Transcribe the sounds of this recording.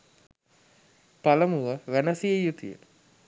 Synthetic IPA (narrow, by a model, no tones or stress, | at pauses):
paləmuʋəʋænəsiejut̪ḭjə̰